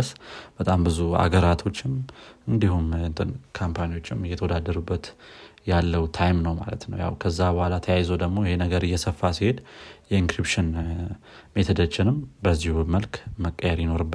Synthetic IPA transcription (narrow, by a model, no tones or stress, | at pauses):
sb̥ət̪ʼambɨzua̰ɡəɾat̪ʰo̞t͡ʃːɪmɨnd̪ihumnt̪ʰʼɨnkʰampʰaniwo̞t͡ʃːɪmjɛt̪ʰəwɔd̪ad̪ːəɾubːət̪jalːəwt̪ʰajmnəwma̰lə̰t̪nə̰wja̰wkʰəzːabəhʷalat̪ʰəjajzəwd̪əɡmo̞jɪhe̞nəɡəɾɨjːɛsəfːasihe̞d̪jɛiŋkɾipʃɪn | me̞t̪ʰəd̪ət͡ʃːɪnɨmbəzːihuməlkməkʼːəjɛɾjɪno̞ɾɨbːə